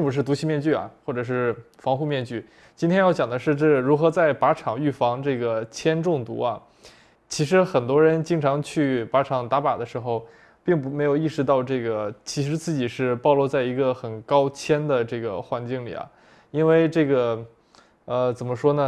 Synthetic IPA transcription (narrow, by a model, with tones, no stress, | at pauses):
ŋpu˧˥ʂ̬ɻ̩˥˩t̪u˧˥t͡ɕʰi˥mjɛ˥˧nt͡ɕy˥˩ɐ̰˩xwɔ˥˩ʈ͡ʂɤ˨˩ʂ̬ɻ̩˥˩ | fɑ˧˥ŋxu˥˧mjɛ˥˧nt͡ɕy˥˩ | t͡ɕi˥nt̪ʰjɛ˥njɑ˥˩ʊt͡ɕjɑ˨˩ŋd̪ə˦ʂɻ̩˥˧ʈ͡ʂɤ˥˩ɻu˧˥xɤ˧˥t͡sa˥˩ɪpa˧˥ʈ͡ʂʰɑ˨˩ŋy˥˩fɑ˧˥ŋʈ͡ʂɤ˥˩ɡə˩t͡ɕʰjɛ˥nʈ͡ʂʊ˥˩ŋt̪ṵ˧˥ɐ˧ | t͡ɕʰi˧˥ʂ̬ɻ̩˧˥xə˨˩nt̪wɔ˥ɻə˧˥nt͡ɕi˥ŋʈ͡ʂʰɑ˧˥ŋt͡ɕʰy˥˩pa˧˥ʈ͡ʂʰɑ˨˩ŋt̪a˧˥pa˨˩d̪ə˦ʂɻ̩˧˥xo˧ʊ | pi˥˩ŋp̬u˧˥me˧˥ɪjo˨˩ʊi˥˩ʂɻ̩˥˧t̪ɑ˥˧ʊʈ͡ʂɤ˥˩ɡə˩t͡ɕʰi˧˥ʂɻ̩˧˥t͡sɹ̩˥˩t͡ɕi˨˩ʂɻ̩˥˧pɑ˥˧ʊlwɔ˥˧t͡sa˥˩ɪi˧˥ɡə˧xə˨˩nkɑ˥ʊt͡ɕʰjɛ˥nd̪ə˨ʈ͡ʂɤ˥˩ɡə̰˩xwa˧˥nt͡ɕi˥˩ŋlḭ˨˩ɐ̰˩ | i˥nwe˥˧ɪʈ͡ʂɤ˥˩ɡə˩ | ə˧t͡sə˨˩nmə˦ʂwɔ˥nə˨